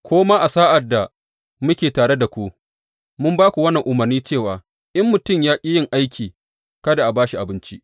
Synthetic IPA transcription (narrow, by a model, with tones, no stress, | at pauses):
kʷoː˦maː˦ʔa˨saː˦ʔa˨dːa˨ | mʊ˦kʲeː˨taː˨ɽe˦da˨kʷu˦ʔ | mʊ˦mbaː˦kʷu˨wɐ˦nːɐ˨ŋʔʊ˨mɐ˨rniː˦t͡ʃeː˦˨waː˨ | ʔɪ˦mːʊ˨tʊ˦˨mjaː˦kʲʼi˦jɪ˦˨ŋʔa˦jkʲʰiː˨ | kɐ˦da˨ʔa˨baː˦ʃi˨ʔa˨bɪ˦nt͡ʃi˦ʔ